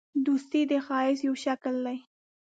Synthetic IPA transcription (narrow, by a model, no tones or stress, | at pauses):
d̪ust̪id̪əxɑɪsjawʃakld̪aj